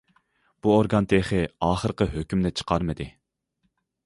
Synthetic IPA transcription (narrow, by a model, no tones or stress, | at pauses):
b̥uoɾɡɑnt̪ʰeχɨɑːχəɾqəɦøkʲymnɛt͡ʃʰə̥qʰɑɾmɨd̪ɨ